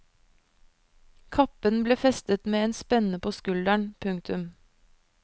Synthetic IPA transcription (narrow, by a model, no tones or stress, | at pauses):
kʰɑpənbleːfɛst̪ət̪meːeːnspɛnəpʰoːskʉld̪æɳpʰʉŋt̪ʰʉm